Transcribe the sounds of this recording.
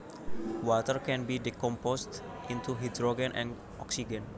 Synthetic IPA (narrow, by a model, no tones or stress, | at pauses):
wɔt̪ərkɛ̃nbidikɔmpɔst̪ | ʔĩnt̪uɦid̪ɾɔɡə̃nʔɛ̰̃n | ʔɔksiɡə̃n